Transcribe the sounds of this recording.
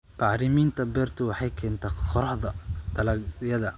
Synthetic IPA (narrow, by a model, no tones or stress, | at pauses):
qɑʕɾɪmiːnt̪ʰɐbɛːrt̪ʰʊwɑħɑjkʰɛːnt̪ʰaːqʰɔɾɐħðɐd̪ʰɐlɐɡjɐðɐ